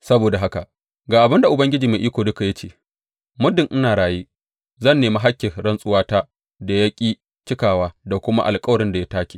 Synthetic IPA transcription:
sɐ˦boː˨da˨ɦa˦ka˨ʔ | ɡaː˨ʔa˨bɪ˦nda˨ʔʊ˨bɐ˦ŋɡʲɪ˦d͡ʒiː˨meː˨ʔiː˦kʷoː˨dʊ˦ka˨ja˦t͡ʃeː˦˨ | mʊ˦dɪ˨ŋʔɪ˦naː˨ɽaː˨jiː˦ | zɐ˦˨nːeː˨ma˦ɦa˦kʲːɪ˨ɽɐ˦nsʼʊ˦waː˦taː˦ | da˨jɐ˦kʲʼiː˦ | t͡ʃɪ˦kaː˨waː˦da˨kʷʊ˦ma̰˦ʔa˨lkʼɐ˦wɐ˨ɽɪ˦nda˨ja˦taː˦kʲiː˨

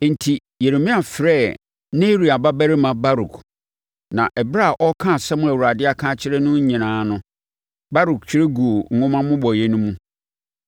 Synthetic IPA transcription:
n̩˨tʰi˨ | je˨ɾe˨mĩ˦a˨fɪ˨ɾɛ˦˨ | nẽ˦ɾi˨a˨ba˦bæ˦ɾɪ˦mã˨ba˦ɾu˨kʰ | nã˨ʔɛ˨bɾa˦a˨ʔɔ˦kʰã˦˨sɛ˦mʊ̃˦æ˨wu˨ɾa˨dɪ˦a˦kʰã˦t͡ɕʰɪ˦ɾɛ˦nʊ̃˦ɲĩ˨nãː˨˦nʊ̃˦ | ba˦ɾu˨kt͡ɕʰᶣɪ˦ɾe˦ɡu˨o˨ŋ̩˨ʊ̃˦mã˦mʊ̃˦bɔ˨je˦nũ˦mũ˦

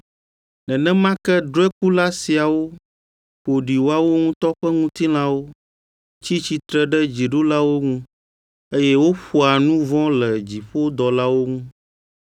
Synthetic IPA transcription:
nɛ̃˨nɛ̃˦mã˦kɛ˦d̪ɾɛ˦k̚u˦la˦si˨a˨wo˦ | ɸo˨ɖi˨wo˦a˦wo˦ŋũ˦t̪ɔ˦ɸɛ˦ŋũ˦t̪i˦l̃ã˦wo˦ | t͡ɕi˦t͡ɕi˨t̪ɾɛ˦ɖɛ˦d͡ʑi˨ɖu˦la˦wo˦ŋũ˦ | e˦jɛ˦wo˦ɸu˨a˨nũ˦vɔ̃˦lɛ˨d͡ʑi˨ɸo˦d̪ɔ˨la˦wo˦ŋũ˦

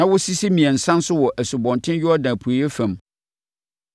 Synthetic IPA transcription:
nã˨˦wʊ˦si˦si˦mĩ˨ɛ̃˨n̩˨sã˦n˦sʊ˦wɔ˨ʔæ˨su˨bɔ̃˨ntʰɪ̃˦nɥʊ˦ɔ˦dã˨pʰu˨jɛ˦fæ̃˨m

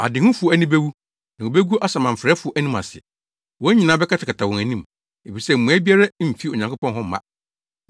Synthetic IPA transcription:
a̰˨dɪ˨ŋʊ̃˦fʊ˨ɔ˨æ˨nĩ˦be˦wu˦ | nã˨o˨be˦ɡu˦ʔa˦sa˨mã˨m̩˨fɾɛː˦fʊ˨ɔ˨ʔæ˦nĩ˦ma̰˨sɪ˨ɛ˨ | wɔ̃˦ɲĩ˨nãː˦bɛ˦kʰa˦tʰɪ˨kʰa˨tʰa˨wɔ̃˨ŋæ˨nĩ˦m | e˨fi˨sɛ˦m̩˨mũ˨æ˦bi˦a˦ɾa˦˨fi˦o˨ɲã˨ŋkʰo˦pɔ̃˦nɦɔ̃˦m̩˦mã̰˦

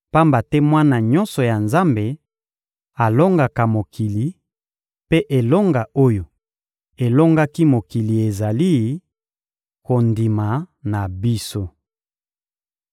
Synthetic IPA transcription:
pa˦mba˨tɛ˦mwa˦na˨ɲɔ̃˦nsɔ˨ja˨nza˦mbe˨ | a˨lo˦ŋɡa˨ka˨mo˨ki˨li˨ | pe˦ʔe˨lo˦ŋɡa˨o˦jo˨ | e˨lo˦ŋɡa˦ki˦mo˨ki˨li˨e˨za˨li˦ | ko˨ndi˨ma˨na˨bi˦so˦

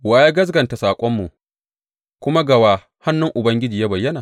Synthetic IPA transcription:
waː˨je˦ɡɐ˦s̬ɡɐ˨nta˨saː˨kʷʼɔ˦mːu˨ | kʷʊ˦ma˦ɡɐ˨waː˨ | ha˦nːʊ˦ŋʔʊ˨bɐ˦ŋɡʲɪ˦d͡ʒiː˨ja˦bɐ˨jːɐ˦naː˨

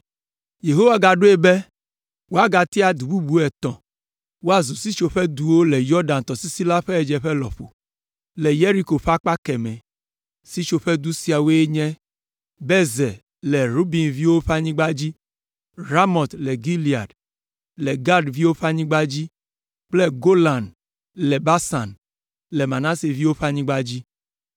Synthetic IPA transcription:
je˨ɦo˦wa˦ɡa˨ɖo˦e˦bɛ˦ | wo˦a˦ɡa˨t̪i˦a˨d̪u˨bu˦bu˦ɛ˨t̪ɔ̃˨ | wo˦a˦zu˨si˦t͡ʃo˨ɸɛ˦d̪u˨wo˦lɛ˨jɔ˦ɖã˨n˨t̪ɔ˨si˦si˦la˦ɸɛ˦ɛ˨d͡ʒɛ˨ɸɛ˦lɔ̰˨ɸo̰˨ | lɛ˨je˦ɾi˦ko˨ɸa˦k͡pa˦kɛ˨mɛ̃˨ | si˦t͡ʃo˨ɸɛ˦d̪u˦si˨a˨wo˦e˦ɲɛ̃˦ | bɛ˦zɛ˨ | lɛ˨ɾu˦bi˨nvi˦wo˦ɸa˦ɲĩ˦ɡ͡ba˦d͡ʑi˦ | ɾa˦mɔ˨t̪lɛ˨ɡi˦li˨a˨d | lɛ˨ɡa˦ɖvi˦wo˦ɸa˦ɲĩ˦ɡ͡ba˦d͡ʑi˦ | k͡plɛ˦ɡo˦lã˨n | lɛ˨ba˦sa˨n | lɛ˨mã˨nã˦se˨vi˦wo˦ɸa˦ɲĩ˦ɡ͡ba˦d͡ʑi˦

